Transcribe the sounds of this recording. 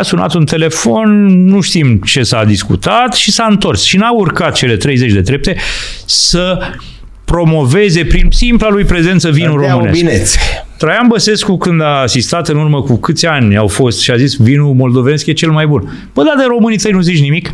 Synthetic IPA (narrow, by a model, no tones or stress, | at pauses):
asuna̰t̪unt̪e̞le̞fo̞nnuʃt̪imt͡ʃe̞sad̪iskṵt̪at̪ʃisaɨnt̪o̞rsʃinaurkat̪̚t͡ʃe̞le̞t̪ɾe̞jze̞t͡ʃʲd̪e̞d̪ɾe̞p̚t̪e̞sə | pɾo̞mo̞ve̞ze̞pɾinsimplalujpɾe̞ze̞nt̪səvinuɾo̞mɨneinese̥t̪ɾajanbəse̞skukɨnd̪aːsist̪at̪ɨnurməkukɨt̪sʲanʲawfo̞st̪ʃiazisvinumo̞ld̪o̞vene̞skje̞t͡ʃe̞lmajbun | b̥əd̪ad̪eɾo̞mɨnit̪əjnuzit͡ʃnimik